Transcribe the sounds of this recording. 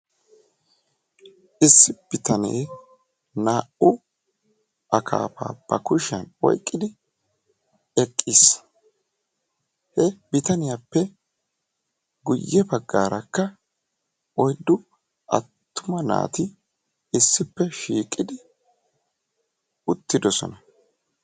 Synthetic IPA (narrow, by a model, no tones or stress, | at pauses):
ɪsːɪb̥ɪt̪ɐnḛː | naːʔʊ | ʔɐkʰa̰ːpa̰ːb̥ɐ̰kʊʃɐnɔ̰jkʼːɪd̪ɪ | ɛkʼːɪs | hɛbɪt̪ɐnɪjapːɛ | ɡʊjːɛbɐɡːaːɾɐkːɐ | ʔɔjd̪ːʊ | ʔɐ̰t̪ːʊmɐna̰ːt̪ɪ | ɪsːɪpːɛʃiːkʼɪd̪ɪ | ʊt̪ːɪd̪ɔsɔ̰nɐ